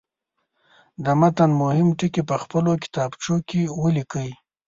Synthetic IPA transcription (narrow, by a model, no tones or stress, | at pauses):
d̪əmat̪anmʊhɪmʈɪkepəxpəlokɪ̥t̪ɑbt͡ʃokewəlikəj